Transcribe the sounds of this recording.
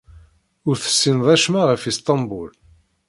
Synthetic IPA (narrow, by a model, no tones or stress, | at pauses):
ʊɾθə̥sːinðˤæʃmæʁəfist̪ˤɑmbul